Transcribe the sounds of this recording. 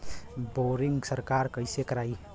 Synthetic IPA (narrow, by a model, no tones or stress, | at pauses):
boɾiŋɡsəɾkaɾkəjsekəɾaj